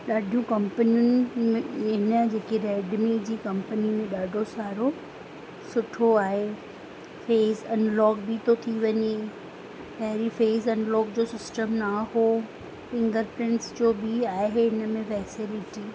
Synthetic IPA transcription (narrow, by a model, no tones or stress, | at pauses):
ɗaːɖʱijũkɐ̃mpənijʊnɪ̆mẽɪnəd͡ʑeːkeɾɛːɖmẽd͡ʑiːkɐ̃mpənimẽɗaːɖʱosaːɾo | sʊʈʰoaːɦe | feːzɐnlɔːk̚bit̪ʰot̪ʰiʋɐɲe | pɐɦɪɾifeːzɐnlɔːk̚d͡ʑoːsɪsʈəmnaho | fɪ̃ŋɡəɾpɾɪ̃ɳʈsd͡ʑoːbʱiaːɪɦeɪnəmẽfɛːsɪlɪʈi